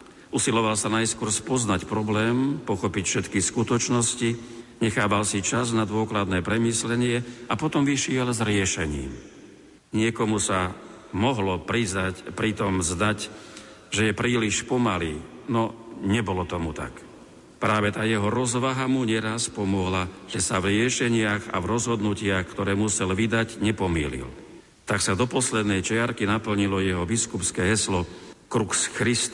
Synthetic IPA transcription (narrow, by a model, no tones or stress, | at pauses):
ʔusilɔʋalsanajskʊɔɾspɔznacpɾɔblɛːmpɔxɔpicfʃɛt̪kiskut̪ɔt͡ʃnɔsciɲɛxaːbalsit͡ʃaznad̪ʊɔklad̪nɛːpɾɛmiːslɛɲɪɛapɔt̪ɔmʋiʃɪɛlzɾɪɛʃɛɲḭːm | ɲɪɛkɔmusa | mɔɦlɔpɾizapɾit̪ɔmzd̪ac | ʒɛjɛpɾiːliʃpɔmaliːnɔɲɛbɔlɔt̪ɔmut̪a̰k | pɾaːʋɛt̪aːjɛɦɔɾɔzʋaɦamuɲɛɾaspɔmɔɦlaʒ̥ɛsavɾɪɛʃɛɲɪaɣa̰vɾɔzɦɔd̪nucɪaxkt̪ɔɾɛːmusɛlʋid̪aɟɲɛpɔmḭːlḭl | t̪aksad̪ɔpɔslɛd̪nɛjt͡ʃɛaɾkinapl̩ɲilɔjɛɦɔbiskupskɛːɦɛslɔkɾuxsxɾist̪